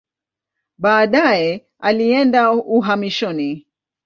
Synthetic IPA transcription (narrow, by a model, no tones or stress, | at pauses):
ɓaːɗajɛ | aliɛndauɦamiʃɔni